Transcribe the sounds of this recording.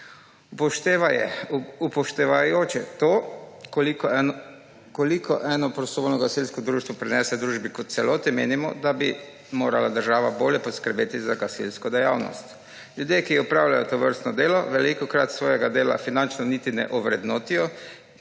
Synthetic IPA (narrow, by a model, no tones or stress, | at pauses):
pʃt̪ːjɛupɔʃt̪ɛʋajoːt͡ʃɛt̪oːlik | kɔlikɔʔɛːnɔpɾɔst̪ɔʋoːlnɔɡasilskɔd̪ɾuːʃt̪ʋɔpɾɛnɛːsɛd̪ɾuːʒbikɔt̪t̪sɛloːt̪ɛmeːnimɔ̰d̪abi | moːɾalad̪əɾʒaːʋaboːljɛpɔskəɾbeːt̪izaɡasḭlskɔd̪ɛjaːwnɔ̰st̪ | lʲjud̪jeːkiupɾaːwlajɔt̪ɔʋəɾst̪nɔd̪eːlɔʋɛlikɔkɾat̪sʋoːjɛɡad̪eːla̰finant͡ʃnɔnit̪inɛ̰ʔɔʋɾɛd̪nɔːt̪ijɔ